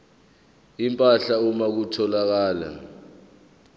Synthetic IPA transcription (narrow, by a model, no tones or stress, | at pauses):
impʼaɬaumak̬utʰɔlak̬aːla̰